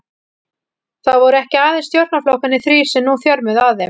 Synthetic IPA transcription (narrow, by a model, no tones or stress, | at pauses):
θaðvɔɾʏɛhcɪaːðɪnst̪jowɾt̪naflowhkanːɪθɾiːsɛnuːθjœɾmʏðaððɪm